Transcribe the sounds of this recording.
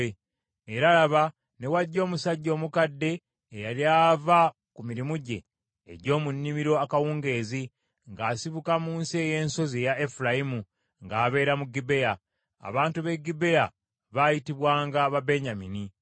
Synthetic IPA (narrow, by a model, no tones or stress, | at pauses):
eɾalaβa | ne̞waɟːo̞ːmusaɟːo̞ːmukadːe̞ː | jaljava | kumiɾimuɟe̞̰ː | ɟo̞ːmunːimiɾo̞akawuːŋɡe̞ːzi | ŋɡaːsiβukamuːnsieje̞ːnso̞ziejae̞fulajimu | ŋɡaːβe̞ːɾamuɡibe̞ja | a̰βaːntuβe̞ɡibe̞ja | βaːjitiβwaːŋɡaβabe̞ɲamini